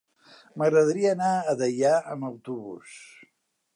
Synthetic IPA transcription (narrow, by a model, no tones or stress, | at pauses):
məɣɾəðəɾiəːnaəðəʎaəməwt̪uβṵs